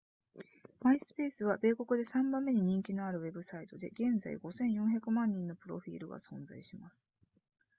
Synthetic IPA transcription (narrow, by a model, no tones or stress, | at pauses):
maisɨ̥pe̞ːsɨβabe̞ːko̞kɯ̟d̪e̞sãmbãmːe̞ɲ̟iɲ̟ĩŋkʲino̞aɾɯ̟βe̞bɯ̟sait̪o̞d̪e̞̰ɡẽ̞nd͡za̰ḭɡo̞sẽ̞ɰ̃jõçakɯ̟mãɲ̟ːĩnːo̞pɯ̟ɾo̞̰ɸʲḭːɾɯ̟ɡa̰sõ̞nza̰iɕimasɨ̥